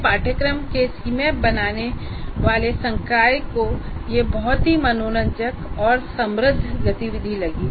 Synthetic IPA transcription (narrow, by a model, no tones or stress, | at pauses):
paːʈʰəkɾəmkesimẽbɐnaːne | ʋaːlesə̃ŋkaːjkojebɔɦʊt̪ɦimɐnoːnə̃ɲd͡ʒəkɔːɾsɐ̃mɾəd̪ʱɡət̪iʋɪd̪ʱilɐɡiː